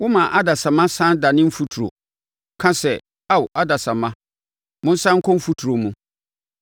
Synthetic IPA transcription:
wʊ˦mã˨ʔa˦da˨sã˨mã˦sã˦da˨nɪ̃˦m̩˦fu˦tʰu˨ɾo̰˨ | kʰã˦sɛ˨ | a˦˨wʔa˦da˨sa˨mã˦ | mʊ̃˦n̩˦sã˦ŋ̩˦kʰɔ̃˦m̩˦fu˦tʰu˨ɾo˨mũ˨

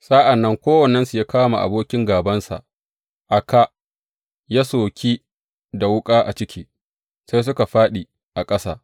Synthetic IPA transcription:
sa˦ʔa˨nːɐ˦ŋkʷoː˦wɐ˨nːɛ˦nsu˨jaː˦kaː˦ma̰˨ʔa̰˨boː˦kʲɪ˦ŋɡaː˨bɐ˦nsa̰˨ʔ | ʔa˨ka˨ | ja˦soː˨kʲiː˦ | da˨wʊ˦kʼaː˦ʔa̰˨t͡ʃɪ˦kʲʰiː˦ | sa˦js̬ʊ˦ka˨ɸaː˦ɗi˨ | ʔa˨kʼɐ˦sa̰ː˦

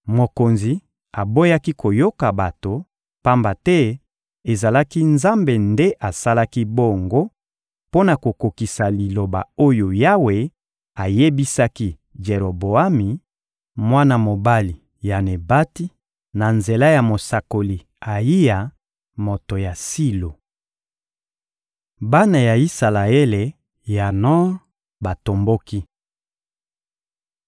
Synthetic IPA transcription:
mo˨ko˨nzi˨ | a˨bo˦ja˦ki˦ko˨jo˦ka˨ba˨to˨ | pa˦mba˨tɛ˦ | e˨za˨la˦ki˦nza˦mbe˨nde˦ʔa˨sa˦la˦ki˦bo˦ŋɡo˦ | po˦na˨ko˨ko˨ki˨sa˨li˨lo˨ba̰˨o˦jo˨ja˦we˨ | a˨je˦bi˦sa˦ki˦ | d͡ʒe˨ʁo˨bo˨a˦mi˨ | mwa˦na˦mo˨ba˦li˨ | ja˨ne˨ba˦ti˦ | na˨nze˨la˦ja˨mo˨sa˨ko˨li˨ | a˨ji˦ja˨ | mo˨to˨ja˨si˦lo˨ | ba˦na˨ja˨i˦sa˨la˨e˦le˨ | ja˨nɔ̃˦ | ba˨to˨mbo˦ki˦

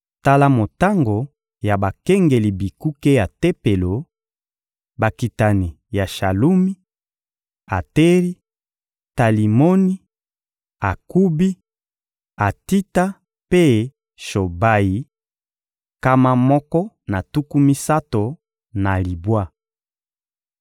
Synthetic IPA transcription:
ta˦la˦mo˨ta˦ŋɡo˨ | ja˨ba˨kɛ˦ŋɡe˨li˨bi˨ku˦ke˦ja˨te˦pe˨lo˨ | ba˨ki˨ta˨ni˨ | ja˨ʃa˨lu˦mi˦ | a˨te˦ʁi˦ | ta˨li˨mo˦ni˦ | a˨ku˦bi˦ | a˨ti˦ta˦ | pe˦ | ʃo˨ba˨ji˨ | ka˦ma˦mɔ˦kɔ˦ | na˨tu˦ku˦mi˦sa˦to˨ | na˨li˨bwa˦

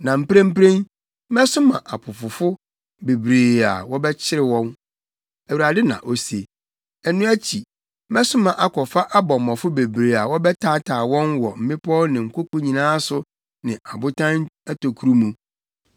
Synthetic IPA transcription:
nã˨m̩˦pɾẽ˦m̩˦pɾẽ˦n̩˦ | mɛ˦sʊ˦mã̰˨ʔa˨pʰʊ˨fʊ˨fʊ˦ | be˨bɾeː˨a̰˨wɔ˦bɛ˦t͡ɕʰɪ˦ɾɪ˨wɔ̃˦n | æ˨wu˨ɾa˨dɪ˦nã̰˨ʔo˦se˨ | ɛ˦nũ˦æ˦t͡ɕʰi˨˦ | mɛ˦sʊ˦mã˨ʔa˨kʰɔ˨fa˦ʔa˦bɔ˨m˨mɔ̃˨fʊ˦be˨bɾeː˨a˨wɔ˦bɛ˦tʰaː˦tʰaː˨wɔ̃˦nwɔ˨m̩˨mɪ̃˦pʰɔ˦nɪ̃˨ŋ̩˨ko˦ko˦ɲĩ˨nãː˦sʊ˦ | nɪ̃˨ʔa˨bʊ˦tʰã˦næ˦tʰo˨kʰu˦ɾu˦mũ˨

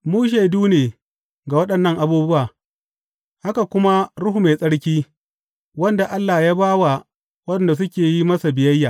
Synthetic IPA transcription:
muː˦ʃ̬e˨duː˦neː˨ | ɡa˨wɐ˦ɗɐ˨nːɐ˦ŋʔa˨buː˦bʊ˦waː˨ | ha˦ka˨kʷʊ˦ma˦ɽʊ˦hu˨me˨sʼɐ˦ɽkʲiː˦ | wɐ˦nda˨ʔa˦lːa˨jaː˦baː˦wa˨ | wɐ˦nda˨s̬ʊ˦kʲeː˨ji˦mɐ˦sa˨bɪ˨jɐ˦jːaː˨

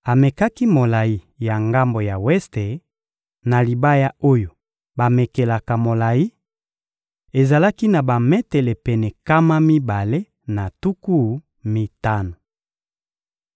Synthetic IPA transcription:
a˨me˨ka˦ki˦mo˨la˨ji˦ | ja˨ŋɡa˦mbo˨ja˨wɛ˦ste˨ | na˨li˨ba˦ja˦o˦jo˨ | ba˨me˨ke˨la˨ka˨mo˨la˨ji˦ | e˨za˨la˦ki˦na˨ba˨mɛ˦tɛ˨le˨pɛ˨nɛ˨ka˦ma˦mi˦ba˨le˦ | na˨tu˦ku˦ | mi˦ta˦no˨

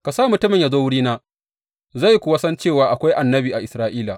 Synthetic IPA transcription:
ka˨sa˦˨mʊ˨tʊ˦mɪ˨ɲja˨zoː˦wʊ˦ɽiː˦naː˦ | za˦˨ji˦kʷʊ˦wa˦sɐ˦nt͡ʃeː˦˨waː˨ʔa˨kʷa˦jʔa˨nːɐ˦biː˨ʔa˨ʔɪ˨sɾaː˦ʔiː˦la˨

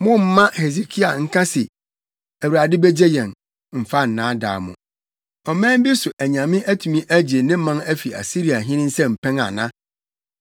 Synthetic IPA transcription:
mʊ̃˦m̩˦mã˦he˨ze˨kʰi˦a˨ŋ̩˦kʰã˦sɪ˨ | æ˨wu˨ɾa˨dɪ˦bɛ˦d͡ʑe˦jɛ̃˨n | m̩˨fa˦n̩˨nãː˨˦da̰ː˨mʊ̰̃˨ | ɔ˨mɛ̃ː˦m˦bi˦sʊ˨ʔæ˨ɲã˨mɪ̃˦ʔæ˦tʰu˨mĩ˦ʔæ˦d͡ʑe˨nɪ̃˦mã˦ŋæ˦fi˨a̰˨si˦ɾi˨a˨ɦɪ̃˦nɪ̃˦n̩˦sɛ˦m̩˨pʰɛ̃˦ŋa̰˨nã̰˦

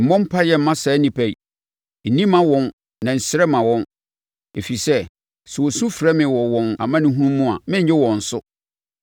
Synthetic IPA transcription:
m̩˨mɔ̃˦m˦pʰa˦jɛ˦˨m̩˨mã˦sɛː˨˦nĩ˨pʰæ˨i˨ | n̩˨nĩ˦mã˦wɔ̃˦n | nã˨n̩˨sɪ˦ɾɛ˦mã˨wɔ̃˦n | e˨fi˨sɛ˦ | sɛ˨wo˨sũ˦fɾɛ˦mɪ̃˨wɔ˨wɔ̃˨na̰˨mã˦nɪ̃˦ɦũ˦nũ˦mː˦ũ˦a̰˨mɪ̃˦ɲ˦ɪ˦wɔ̃˨n̩˨sʊ˦

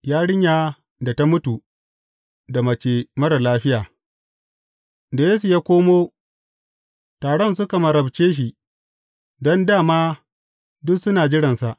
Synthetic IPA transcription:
jaː˦ɽɪ˦ɲjaː˨ | da˨ta˦mʊ˦tu˨ | da˨mɐ˨t͡ʃeː˨mɐ˦ɾɐ˨laː˦ɸɪ˦jaː˨ | da˨jeː˦su˨jaː˦kʷoː˦moː˦ | taː˨ɽɔ˦ns̬ʊ˦ka˨mɐ˨ɾɐ˨bt͡ʃeː˦ʃ̬i˨ | dɔ˦ndaː˦˨maː˦ | dʊ˦ksʊ˦naː˨d͡ʒɪ˦ɽɐ˨nsa˨ʔ

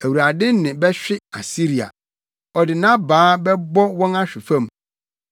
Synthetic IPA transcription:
æ˨wu˨ɾa˨dɪ̃˦n˦nɪ̃˨bɛ˦ɕᶣɪ˦a˨si˦ɾi˨a̰˨ | ɔ˨dɪ˨nã˦baː˨˦bɛ˦bɔ˦wɔ̃˦na˦ɕᶣɪ˨fã˦˨m

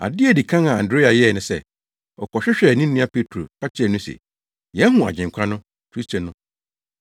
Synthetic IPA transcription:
a̰˨dɪ˦ɛ˨di˨kʰã˦ŋã˨ã˨ndɾe˦a˨jɛ˦˨nʊ̃˨sɛ˦˨ | ɔ˨kʰɔ˨ɕᶣɪ˦ɕᶣɛ˨nĩ˦ĩ˦a˦pʰe˦tʰɾo̰˨pʰa˦t͡ɕʰɪ˦ɛ˨nʊ̃˦sḛ˨ | jɛ˨˦ɦũ˨a̰˨d͡ʑɪ̃˨ŋ˨kʷʰã˦nʊ̃˦ | kʰɾi˦stʰo˨nʊ̃˦

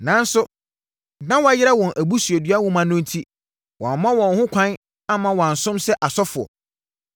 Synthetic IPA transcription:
nã˨n̩˦sʊ˦ | nã˦wɔ˦a˦jɪ˦ɾa˦wɔ̃˨nʔæ˨bu˦sɥe˨dɥa˦wʊ̃˦mã˨nʊ̃˦n̩˦tʰi˦ | wɔ̃˨m˨mã˦wɔ̃˨nhʊ̃˦kʷʰã˦n | a˦mã˨wɔ̃˨a˨n˨sʊ̃˦msɛ˦ʔa˨sɔ˦fʊ˨ɔ̰˨

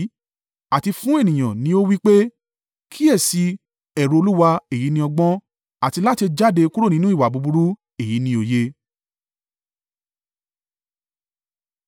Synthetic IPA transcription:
a˨ti˧fũ˦e˦˨nĩ˨j̃ã˨nĩ˧˦o˦wi˦k͡pe˦ | kʰi˦ɛ˦˨si˧ | ɛ˨ɾo˨˧o˧lu˦wa˧e˨ji˨˦nĩ˧ɔ˧ɡ͡bɔ̃˦ | a˦˨ti˧la˦ti˧d͡ʒa˦˨de˧ku˦ɾo˦˨nĩ˦nũ˦i˦˨wa˨bu˨˧bu˧ɾu˦ | e˨ji˨˦nĩ˧˦o˧je˦

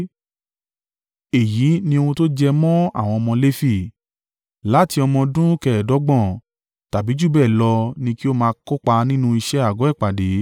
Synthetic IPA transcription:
e˨ji˨˦nĩ˧o˧ũ˧to˦d͡ʒɛ˧mɔ̃˦a̰˦˨w̃ɔ̃˧ɔ˧mɔ̃˧le˦fi˦˨ | la˨˦ti˧ɔ˧mɔ̃˧dũ˦kɛ˧˨ɛ˨dɔ˨˦ɡ͡bɔ̃˦˨ | ta˨bi˨˦d͡ʒu˦˨bɛː˦˨lɔ˧nĩ˧ki˦o˦mãː˧kɔ˦k͡pa˧nĩ˦nũ˧˦i˧ʃɛ˦a˦˨ɡɔ˨˦ɛ˦˨k͡pa˨de˨˦

